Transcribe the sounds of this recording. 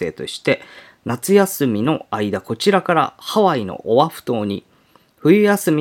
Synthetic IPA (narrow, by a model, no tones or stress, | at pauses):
e̞ːt̪o̞̰ɕi̥t̪e̞ | nat͡sɨjasɨmʲino̞aid̪ako̞t͡ɕiɾakaɾa̰haβaino̞̰ʔoβaɸɯ̟̥t̪o̞ːɲ̟i | ɸɯ̟jɯ̟jasɨmʲi